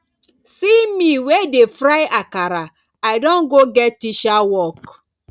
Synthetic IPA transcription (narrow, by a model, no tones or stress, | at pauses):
simiwedefɾaɪakaɾa | aɪdɔ̃nɡoɡɛtːiʃawɔk